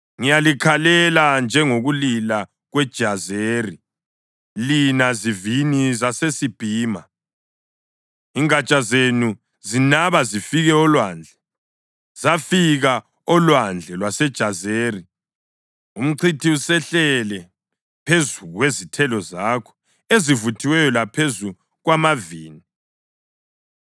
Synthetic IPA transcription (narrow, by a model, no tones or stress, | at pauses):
ŋijalikʰalɛland͡ʒʱɛŋoɣulila | ɣwɛd̥ʒ̥ʱazeri | linazivinizasesib̥ʱiːma | iŋat͡ʃʼazenu | zinaβazifiɣɛɔlwaːnd͡ɮʱɛ | z̥afiɣa | ɔlwand͡ɮʱɛlwasɛd̥ʒ̥ʱazeːri | um̩ǀʰitʰiusɛɬɛlɛ | pʰezuɣwezitʰɛlɔzaːkʰɔ̥ | ezivutʰiwɛjɔlapʰezu | ɣwamaviːni